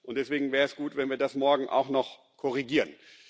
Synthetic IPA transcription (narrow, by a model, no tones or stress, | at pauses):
ʔʊntd̥ɛsv̥eːɡŋ̩vɛːɐɛsɡ̥uːtv̥ɛnviːɐdasmɔɐɡŋ̩ʔa̰ʊxnɔχ | kʰɔʁ̞iɡiːʁən